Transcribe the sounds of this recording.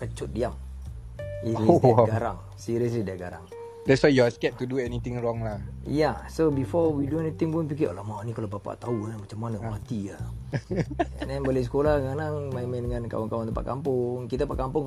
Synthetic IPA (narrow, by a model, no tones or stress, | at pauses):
kət͡ʃʊt̪̚diam | iiɡaɾaŋ | siɾiəs̬lidaʔɡa̰ɾa̰ŋ | dɛtswajjɔskɛt̚t̪uduɛnit̪ɪŋrɔŋlajasobifɔwiduɛnit̪ɪŋpʊnpik̬iʔa̰lamanikalobapa̰ʔt̪auanamat͡ʃamːanəmat̪ia | ɛ̰ndɛnbolesə̥kolahɡanaŋmamaindəŋãnka̰waŋkawant̪əpa̰ʔkampʊŋkit̪apaʔkampʊŋ